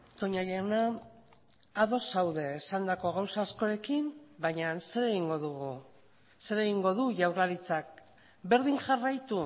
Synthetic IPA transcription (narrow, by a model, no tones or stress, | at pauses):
t̪o̞ɲaʎaona | ðo̞sawðe̞ːsand̪ako̞ɣ̞awsaːsko̞ɾe̞kimbaɲanse̞ɾe̞ɣiŋɡo̞ðuɣu | se̞ɾe̞ɣiŋɡo̞ðuʝawraɾit͡sak̚ | be̞ɾðiŋʝarajt̪u